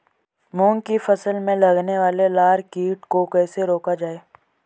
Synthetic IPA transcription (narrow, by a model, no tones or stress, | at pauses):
mõːŋkifɐsəlmẽlɐɡneʋaːlelaːɾkiːʈkokɛːseɾoːkad͡ʒaːeː